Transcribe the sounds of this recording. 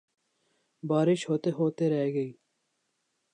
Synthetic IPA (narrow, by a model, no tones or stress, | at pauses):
baːɾɪʃhoːt̪eɦoːt̪eɾɐɦeɡɐiː